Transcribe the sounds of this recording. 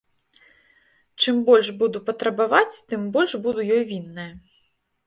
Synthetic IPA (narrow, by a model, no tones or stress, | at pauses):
t͡ʂɨmbɔlʲʂbud̪upɐt̪ɾɐbavat͡sʲt̪ɨmbɔlʲʂbud̪ujɔjvʲinːɨjɐ